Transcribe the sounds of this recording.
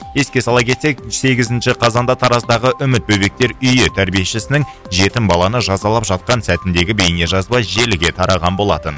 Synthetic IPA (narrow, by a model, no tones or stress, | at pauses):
je̞skʲe̞sɑlˠɑpk̬ʲe̞t̪se̞k̚se̞ɡʲɪzɪnʃɪqʰɑzɑnd̪ɑt̪ʰɑɾɑsd̪ɑʁəʔʏmɪt̪̚bɵbe̞k̚t̪e̞ɾʏjɪt̪ʰæɾbije̞ʃɪsɪnɪŋ | ʒe̞t̪ɪmbɑlˠɑnəʒɑzɑlˠɑpʒɑt̪̚qɑnsæt̪ɪnd̪e̞ɡʲɪbe̞jɪne̞ʒɑzbɑjʒe̞lɪɡʲe̞t̪ʰɑɾɑʁɑnbo̞lˠɑ̰t̪ən